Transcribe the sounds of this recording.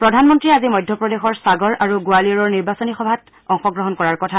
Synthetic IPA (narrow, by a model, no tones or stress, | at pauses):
pɹɔdʱanmɔntɹiazimɔjdʱjɔpɹɔdexɔɹsaɡɔɹʔaɹuɡoaliɔɹɔɹniɹbasɔnixɔbʱat | ɔŋxɔɡɹɔɦɔnkɔɹaɹkɔtʰa